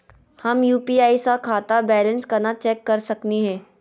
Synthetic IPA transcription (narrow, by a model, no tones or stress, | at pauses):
hɐmjuːpiaːisakʰaːt̪abɛːlə̃nskɐɾnat͡ʃɛːkːɐɾsɐkniɦɛ̃ː